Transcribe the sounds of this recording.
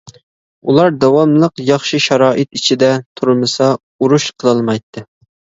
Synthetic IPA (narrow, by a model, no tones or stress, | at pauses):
ulˠɑɾd̪ɑwɑmlˠəqjɑχʃɨʃɑɾɑːʔɨt̪it͡ʃʰid̪ɛt̪ʰuɾmɨsɑ | uɾuʃqʰəlˠɑlˠmɑjt̪ʰːɨ